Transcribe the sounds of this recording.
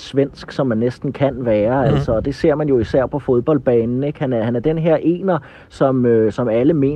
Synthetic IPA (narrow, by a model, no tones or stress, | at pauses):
sʋen̰sɡ̥sɒ̽mːænːesd̥n̩kʰænʋæːɐæl̰sɒ̽ːd̥e̝se̝ɐ̰mænjo̝isæɐ̰pʰɒ̽fo̝ð̞ˠb̥ɒ̽l̰d̥̚b̥ɛ̰ːnn̩e̝ɡ̥hænæɐhænæɐd̥enɦeɐ̰ʔe̝̰ːnɐ | sɒ̽møsɒ̽mæləme̝̰ː